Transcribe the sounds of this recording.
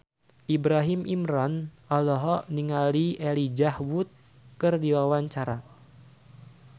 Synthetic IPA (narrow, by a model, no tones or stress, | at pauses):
ʔibɾaɦimʔimɾɔn | alɔɦɔniŋalielid͡ʒahwut̪̚ | kɨrdiwawaɲt͡ʃaɾa